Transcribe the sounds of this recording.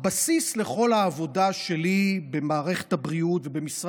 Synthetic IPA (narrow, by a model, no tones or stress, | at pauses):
basisleχo̞laːvo̞daʃe̞libe̞maːʁeχe̥thabʁiutvebemisʁ